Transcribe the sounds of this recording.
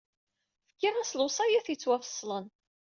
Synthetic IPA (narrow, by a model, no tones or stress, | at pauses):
fə̥kːiʁæslʊsˤɑjaθjit͡sːwæfə̥sˤːlən